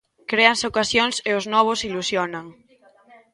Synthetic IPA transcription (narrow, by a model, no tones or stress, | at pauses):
kɾeanseokasjonseoznɔβ̞osilusjonaŋ